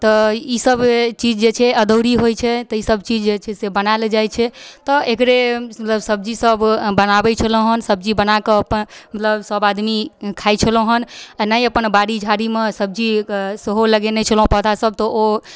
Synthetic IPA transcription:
t̪ɔisəbt͡ʃid͡ʒd͡ʒet͡ʃʰɛəd̪əwɾiɦojt͡ʃʰɛt̪ɔisəbt͡ʃid͡ʒd͡ʒet͡ʃʰɛsebənaeld͡ʒajt͡ʃʰɛt̪ɔekɾemət̪ləbsəb̚d͡ʒisəbbənabɛt͡ʃʰəlõɦənsəb̚d͡ʒibənakɔəpənmət̪ləbsəbad̪mikʰajt͡ʃʰəlõɦənanajəpənbaɽid͡ʒʱaɽimesəb̚d͡ʒiseɦoləɡenɛt͡ʃʰəlɦõpət̪ʰasəb̚t̪ɔo

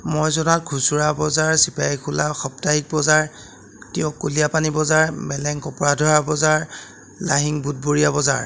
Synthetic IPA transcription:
mojzɔnat̚kʰusuɹabɔzaɹsipajkʰulaxɔp̚taɦik̚bɔzaɹ | tijɔkːolijapanibɔzaɹmɛlɛŋkɔpɔɹadʱɔɹabɔzaɹ | laɦiŋbut̚boɹijabɔza̰ɹ

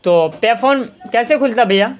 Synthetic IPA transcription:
t̪oːpɛːfʰoːmkɛːsekʰʊlt̪abʱɐja

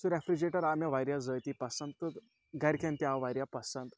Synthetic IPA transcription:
suɾɛfɾid͡ʑeʈəɾamjaʋajɾjad͡zəjt̪ipəsənt̪ː | ɡaɾʲkʲʰãnt̪iaʋajɾʲjapəsə̃nt̪

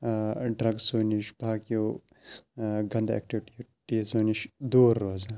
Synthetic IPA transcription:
ɖɾɐɡsoːniʃbʱaːkijoː | ɡɐnd̪ḛk̚ʈiʋʈiʈisoːniʃd̪uːɾːoːzaː

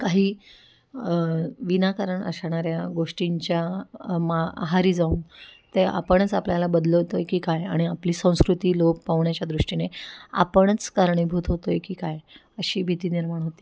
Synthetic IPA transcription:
kaɦiː | ʋinakəɾəɳə̰sɳaɾjaɡoʂʈiɲt͡ɕjamaa̰ɦaɾiːd͡zauːnt̪ea̰pəɳ̃ət͡sapljalabəd̪ləɦot̪ojkiːkajaɽ̃iapliːsə̃w̃skɾut̪iːlok̚paʋɳjat͡ɕjad̪ɾuʂʈinea̰pəɳ̃ət͡skaɾɳibʱuːt̪ɦot̪ojkiːkaj | əɕiːbʱit̪iːniɾmaɳ̃ɦot̪i̥ː

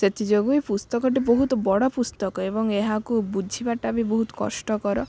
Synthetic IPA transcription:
set̪ʰid͡ʒoɡuipust̪ɔkɔʈ̬iboɦut̪ɔbɔɽɔpust̪ɔkɔebɔŋeɦakubudʱibaʈabiboɦut̪ɔ̥kɔ̰sʈɔkɔɾɔ

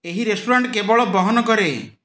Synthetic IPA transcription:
eɦiɾesʈoɾaɳʈkebɔɭɔbɔɦɔnɔkɔɾe

